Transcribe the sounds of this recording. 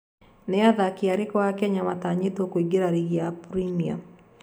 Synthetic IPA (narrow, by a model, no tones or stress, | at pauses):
neaðakiaɾekɔwakɛɲamataɲetokwiɡeɾaɾiɣiapɾimia̰